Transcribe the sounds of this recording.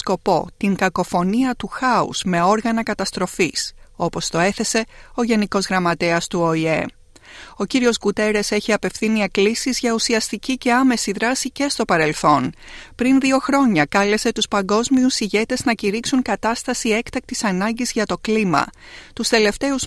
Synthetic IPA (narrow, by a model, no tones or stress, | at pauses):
ko̞po̞t̪iŋkɐko̞fo̞niɐt̪uxɐṵz̥me̞o̞ɾɣɐnɐkɐt̪ɐst̪ɾo̞fiso̞po̞st̪o̞e̞θe̞se̞o̞ʝe̞niko̞zɣɾɐmɐt̪e̞ɐst̪uo̞ie̞̰ | o̞ciɾio̞zɡut̪e̞ɾe̞se̞çiɐpe̞fθinieklisizʝɐusiɐst̪icice̞ɐme̞siðɾɐsice̞st̪o̞pɐɾe̞lθo̞npɾinðio̞xɾo̞ɲɐkɐle̞se̞t̪uspɐŋɡo̞zmiusiʝe̞t̪e̞znɐciɾiksuŋkɐt̪ɐst̪ɐsie̞kt̪ɐk̚t̪isɐnɐɲɟizʝɐt̪o̞klimɐ̰ | t̪ust̪e̞le̞ft̪e̞uz